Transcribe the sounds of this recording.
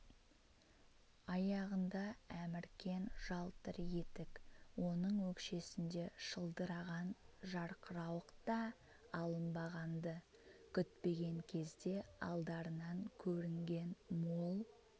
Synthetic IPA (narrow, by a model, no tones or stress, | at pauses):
ɑjɑʁənd̪ɑæmɪɾkʲe̞nʒ̥ɑlˠt̪əɾje̞t̪ɪkwo̞nəɴwɵkʃe̞sɪnd̪e̞ʃəlˠd̪əɾɑʁɑnʒɑɾqəɾɑwəqt̪ɑ | ɑlˠənbɑʁɑnd̪ə | kʲʰʏt̪pe̞ɡʲe̞ŋkʲʰe̞zd̪e̞ɑ̰lˠd̪ɑɾənɑŋkʲʰɵɾɪŋɡʲe̞nmolˠ